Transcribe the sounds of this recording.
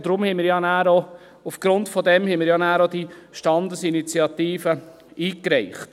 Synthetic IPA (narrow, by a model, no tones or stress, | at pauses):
d̥̪ɾʊmhɛɪmɪɾjɑnæːɾo | ufɡ̥ɾʊntfɔdɛmhɛmɪɾjɑnæːɾodiʃtɑndəsinit͡sjɑtiːfə | iːkɾɛɪχt